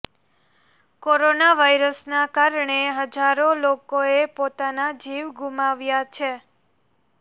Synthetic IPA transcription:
koɾonaʋajɾəsnakaɾɳeɦəd͡ʒaɾolokoepot̪anad͡ʒiʋɡʱumaʋjat͡ʃʰe

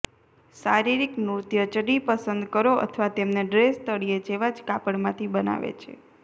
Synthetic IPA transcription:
saɾiɾiknuɾt̪jət͡ʃəɖipəsənd̪kəɾoʔə̰t̪ʰəʋat̪emneɖɾest̪əɽijed͡ʒeʋad͡ʒkapəɳmãt̪ʰibəna̰ʋḛt͡ʃʰḛ

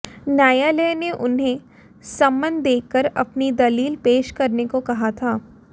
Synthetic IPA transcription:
naːjaleːneʔʊnɦẽ | sɐ̃mbə̃nd̪d̪ːeːkːəɾɐpnid̪ɐliːlpeːʃkɐɾnekokɐɦat̪ʰaː

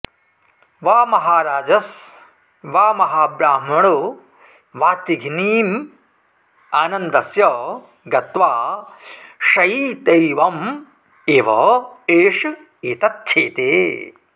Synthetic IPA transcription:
ʋaːmɐɦaːɾaːd͡ʒɐs | ʋaːmɐɦaːbɾaːmɐɳu | ʋaːt̪iɡʱniːm | aːnɐnd̪ɐsjɐ | ɡɐt̪ʋaː | ʃɐjiːt̪ejʋɐm | eːʋɐeːʂu | eːt̪ɐt̪ʰjeːt̪ḛː

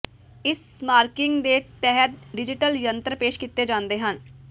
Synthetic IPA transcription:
ɪs | maːɾkɪŋɡd̪eːt̪ɛɦət̪̚ɖɪd͡ʒɪʈəljənt̪ɾəpeːʃkit̪ːeːd͡ʒãːnd̪eːɦən

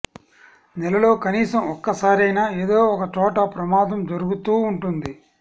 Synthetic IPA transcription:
nɛlɐlo̞ːkɐniːsɐmɔkːɐsaːɾɐjnaːeːd̪o̞ːɔkɐt͡ʃɔːʈɐpɾɐmaːd̪ɐmd͡ʒɐɾuɡut̪uːɳʈund̪i

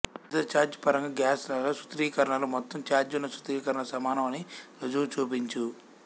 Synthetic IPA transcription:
d̪ɐt͡ʃaːɾd͡ʒpɐɾɐŋɡɐɡjaːslɐloːsu̥t̪ɾiːkɐɾɐɳɐlomɔt̪ːɐmt͡ʃaːɾd͡ʒunːɐsu̥t̪ɾiːkɐɾɐɳɐsɐmaːnɐmɐniɾod͡ʒuːt͡ʃuːp̬iɲt͡ʃu

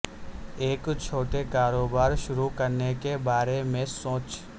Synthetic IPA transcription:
eːkt͡ʃʰoːʈekaːɾoːbaːɾʃʊɾukɐɾnekebaːɾemẽsoːt͡ʃ

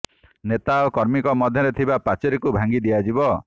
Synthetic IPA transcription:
net̪aokɔɾmikɔmɔd̪ʱjɔɾet̪ʰibapat͡ʃeɾekubʱaŋɡid̪iad͡ʒibɔ

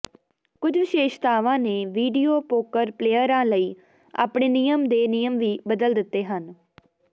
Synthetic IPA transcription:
kʊd͡ʒʋɪʃeːʃt̪aːʋãːneːʋiːɖiːoːpoːkəɾpleːəɾãːləiː | a̰ːpɽeːnijəmd̪eːnijəmʋiːbəd̪əld̪ɪt̪ːeːɦən

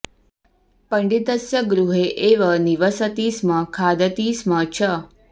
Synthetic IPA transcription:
pəɳɖit̪əsjəɡɾuɦeʔeʋəniʋəsət̪iːsməkʰad̪ət̪iːsmət͡ʃʰə

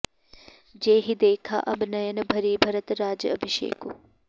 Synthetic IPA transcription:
d͡ʒeːɦid̪eːkʰa̰ʔɐbʱnɐjɐnɐbʱɐɾiːbʱɐɾɐt̪ɾaːd͡ʒɐɐbʱiʃḛːku

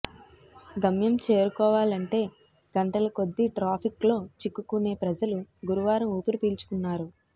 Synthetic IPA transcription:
ɡɐmjɐmt͡ʃeːɾukɔːʋaːlɐɳʈe̞ː | ɡ̥ɐɳʈɐlɐko̞d̪ːiʈɾaːpʰiklo̞ːt͡ʃikːukune̞ːpɾɐd͡ʒɐluɡuɾuʋaːɾɐmuːpɐɾupiːlt͡ʃu̥kunːaːɾu

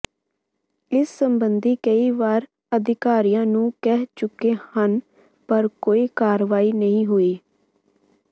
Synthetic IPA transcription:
ɪsːəmbənd̪iːkəiːʋaːɾ | əd̪ɪkaːɾijãːnũːkɛɦt͡ʃʊkːeːhən | pəɾkoːiːkaːɾʋaːiːnəĩːɦoiː

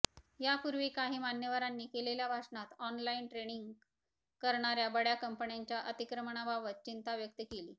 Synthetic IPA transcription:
japuɾʋiːkaɦiːmanjəʋaɾanːiːkeleljabʱaʂɳat̪ɔnlainʈɾeɽiŋɡ | kəɾɳaɾjabəɽjakəmpəɳjaɲt͡ɕjaʔət̪ikɾəməɳ̃abʱaʋət̪̚t͡ɕint̪ʰaʋjək̚t̪əkeliː

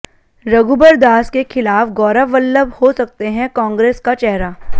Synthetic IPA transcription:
ɾɐɡuːbəɾd̪aːskexʰɪlaːfɡɔːɾaʋəlːəbhosɐk̚t̪eɦɛ̃kãːŋɡɾeːskat͡ʃɛɦɾaː

